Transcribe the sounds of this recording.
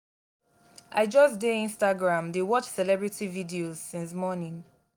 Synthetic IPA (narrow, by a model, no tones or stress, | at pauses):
ʔaɪd͡ʒʌsdeĩnstaɡɹãmdewɔt͡ʃsɛlɛbɹitʰividioz̥sĩns̬mɔnĩŋ